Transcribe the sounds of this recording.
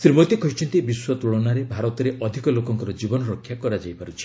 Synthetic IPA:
sɾimɔt̪ekʰɔɦit͡ʃʰɔnt̪ibiswɔt̪uɭɔnaɾebʱaɾɔt̪ɔɾeʔɔd̪ʱikɔlokɔŋkɔɾɔd͡ʒibɔnɔɾɔkʰːjakɔɾad͡ʒajpaɾut͡ʃʰi̥

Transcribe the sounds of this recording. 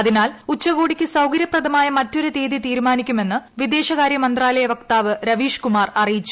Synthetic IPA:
ɐðinaːlut͡ɕːɐɣoːɽikʲːɨsɐwkɐɾjɐprɐðɐmaːjɐmɐtːo̞ɾut̪eːðit̪iːɾumaːnikʲːume̞nːɨʋid̪e̞ːɕɐɣaːɾjɐmɐnd̪raːlɐjɐʋɐkt̪aːʋɨɾɐʋiːʂkumaːrɐrijit͡ɕːu̥

